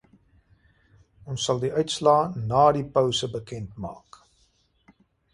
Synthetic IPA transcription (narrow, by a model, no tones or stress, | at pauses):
ɔnsːɐlˠdiœɥtslɑːnɑːdipœwsəbəkɛntmɑ̰ːk